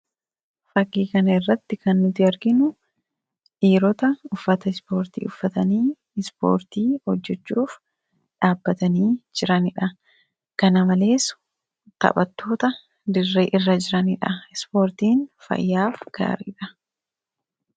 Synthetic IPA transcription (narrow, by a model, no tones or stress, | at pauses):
fɐɡiːkɐnɐɪrːɐt̪ːɪkɐnːʊt̪ɪɐɾɡɪnʊ | ʔiːɾɔt̪ɐʊfːɐt̪ɐspo̞ːɾt̪ḭːʊfːɐt̪ɐniː | ɛspoːɾt̪iːhɔd͡ʒːɛt͡ʃːuːf | ᶑaːbːɐt̪ɐniːd͡ʒɪɾɐnɪᶑɐ | kɐnɐmɐle̞ːs | t̪ɐ̰ɓɐt̪ːo̞ːt̪ɐ | d̪ɪrːeːʔɪrːɐd͡ʒɪɾɐnɪᶑɐɪspo̞ːɾt̪iːnfɐ̰jːaːfɡ̥a̰ːɾḭᶑɐ